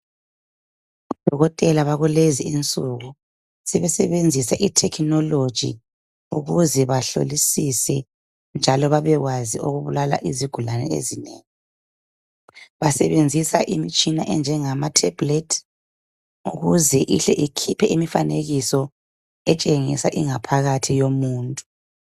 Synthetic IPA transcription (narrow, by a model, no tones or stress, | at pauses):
d̥ʱɔɣɔtʼɛlaβaɣuleziint͡sʼuɣu | sɛβɛsɛβend͡zʱisaʔitʰɛkʰnɔlod̥ʒ̥ʱḭ | uɣuzɛβaɬo̰lisisɛ | nd͡ʒʱalɔβaβɛɣwazioɣuβulala̰ʔiziɡ̥ʱulanɛ̰ḛzinḛːŋi | βasɛβend͡zʱisaʔimit͡ʃʼinaʔɛnd͡ʒʱɛŋamatʰɛb̥letʰ | uɣuzɛʔiɬɛʔikʰipʰɛʔimifaneɣisɔ | ɛt͡ʃʼeŋisaʔiŋapʰaɣatʰijomuːntʼu̥